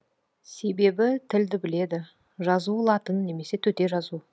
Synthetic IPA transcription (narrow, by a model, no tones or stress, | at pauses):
se̞be̞bɪt̪ʰɪld̪ɪbɪle̞d̪ɪ | ʒɑzulˠɑt̪ənːe̞me̞se̞t̪ʰɵt̪e̞ʒɑzu